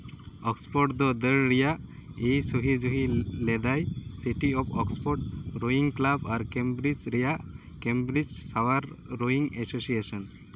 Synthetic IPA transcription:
ɔkspɔɾʈd̪ɔd̪əɾɾijaʔ | ejsoɦid͡ʒuɦilɛd̪ajsiʈiɔpʰɔkspɔɾʈ̚ɾoiŋklabaɾkembɾid͡ʒɾijaʔ | kembɾid͡ʒsawaɾːoiŋesosiesɔn

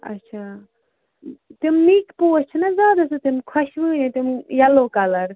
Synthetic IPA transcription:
ɐ̰tːt͡ʃʰa | t̪immiːkpoːt͡ʃʰinɐzʲaːd̪ɐsɨt̪imkʰɐʃʋɨːnit̪imjɐloːkɐlɐɾ

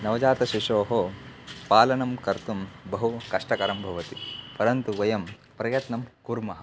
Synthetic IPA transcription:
nɐʋɐd͡ʒaːt̪ɐʃiʂoːɦo | paːlɐnɐmkɐɾt̪umbɐɦukɐʂʈɐkɐɾɐmbʱɐʋɐt̪ipɐɾɐnt̪uʋɐjɐm | pɾɐjɐt̪nɐmkuɾmɐɦɐ

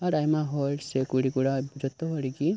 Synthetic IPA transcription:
aɾajmaɦɔlsekuɽikuɽabud͡ʒɔt̪ːɔɦɔɾiɡi

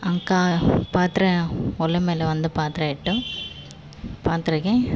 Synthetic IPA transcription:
ɐŋkaːpaːɾt̪ɪɾɐɔlːɐmeːlɐʋɐnd̪ɯpaːɾt̪ɯɾaːɪʈːɯ̃ | paːɾt̪ɯɾɯkẽː

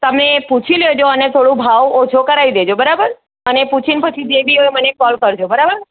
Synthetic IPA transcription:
t̪əmeput͡ʃʰiljod͡ʒoənet̪ʰoɽũbʱaʋot͡ʃʰokəɾaid̪ed͡ʒobəɾabəɾ | əneput͡ʃʰinpət͡ʃʰid͡ʒebʱiɦojmənekɔlkəɾd͡ʒobəɾabəɾ

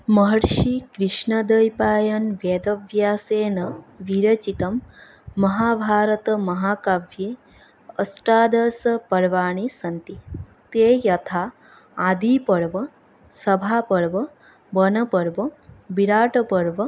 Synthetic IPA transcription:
mɐɦɐɾʃikɾiʃɳɐd̪ɐjpaːjɐnʋjed̪ɐʋjaːseːnɐʋiɾɐt͡ʃit̪ɐmː | ɐɦaːbʱaːɾɐt̪ɐmɐɦaːkaːʋjeː | ɐsʈɾaːd̪ɐsɐpɐɾʋaːɳ̃isɐnt̪i | t̪eːjɐt̪ʰaː | d̪iːpɐɽʋɐ | sɐbʱaːpɐɽʋɐ | bɐnɐpɐɽʋɐbiɽaːʈɐpɐɽʋɐ

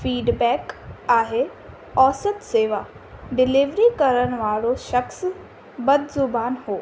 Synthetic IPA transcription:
fiːɖbɛːkaːɦe | ɔːsət̪seːʋa | ɖɪliʋɾikɐɾəñ̆ʋaːɭoʃɐxs | bɐd̪zʊbaːnɦoː

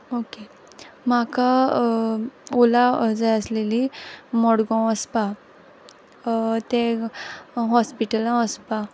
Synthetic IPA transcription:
oke | maka | olad͡zajəslelimɔɽɡɔ̃əspa | t̪e | ɦɔspiʈəlãəspa

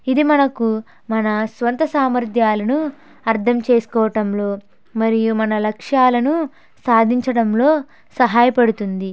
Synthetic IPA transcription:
id̪imɐnɐku | mɐnɐsʋɐnt̪ɐsaːmɐɾd̪ʱjaːlɐnu | ɐɾd̪ʰʱɐmt͡ʃe̞ːsu̥kɔːʋɐʈɐmlo̞ː | mɐɾijumɐnɐlɐkʂaːlɐnu | saːd̪ʱiɲt͡ʃɐɽɐmlo̞ː | sɐɦaːjɐpɐɽut̪und̪i

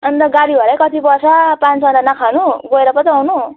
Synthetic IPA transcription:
ʌnt̪ʌɡaɽiʌɾʌjkʌt̪ipʌsʰʌpãnt͡sʌdanʌkʰanuɡoeɾʌpʌt̪ʌawnu

